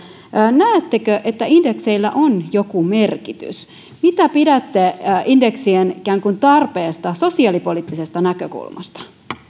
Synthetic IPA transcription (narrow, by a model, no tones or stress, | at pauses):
næːt̪ːekøʔet̪ːæinde̞kse̞ilːæʔonjo̞kume̞rkit̪y̰s | mit̪æpidæt̪ːeindeksienikæːŋkunt̪ɑrpeːst̪ɑso̞siɑlipo̞lit̪ːisest̪ɑnækøkṵlmɑ̰st̪ɑ̥